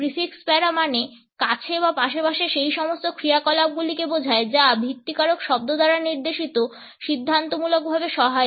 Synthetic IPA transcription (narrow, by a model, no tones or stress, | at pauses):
pɾifikspɛɾamane | kat͡ɕʰeβapaʃapaʃeʃejʃɔmost̪okʰɾiakɔlab̚ɡulikebod͡ʑʱaed͡ʑabʱit̪ːikaɾokʃɔb̚d̪od̪aɾaniɾd̪eʃit̪o | ʃid̪ʱːant̪omulok̚bʱabeʃɔɦae